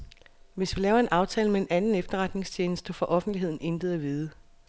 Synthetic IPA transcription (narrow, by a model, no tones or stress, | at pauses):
ʋe̝sʋilɛːʊɐe̝nʔɑ̈ʊt͡sʰɛ̰ːləmee̝nʔænn̩efd̥ɐʁɑ̈d̥ne̝ŋst͡ɕʰeːnəsd̥əfɒ̽ʔɒ̽fn̩d̥lie̝ð̞̰ˠn̩end̥ð̞̩ˠæʋiːð̞ˠə